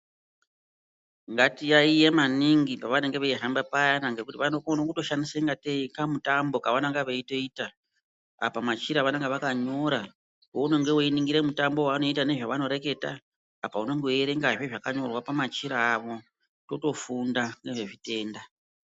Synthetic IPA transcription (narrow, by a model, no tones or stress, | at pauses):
ŋɡatijaijemaniŋɡipaʋaneŋɡeʋeiɦambapajanaŋɡe̞kutiʋanokonokuto̞ʃandiseŋɡateikamutambo̞kaʋanaŋɡaʋeito̞iːta | a̰pamat͡ʃiɾaʋaneŋɡeʋakaɲo̞ɾa | ouno̞ŋɡe̞uiniŋɡiɾe̞mutambo̞waːno̞itane̞ʐaʋano̞ɾe̞ke̞ta̰ː | pauno̞ŋɡeeɾeŋɡaʐeʐakaɲo̞rwapamat͡ʃiɾaːʋo̞ | to̞to̞fundaŋɡe̞ʐe̞ʐite̞ːnda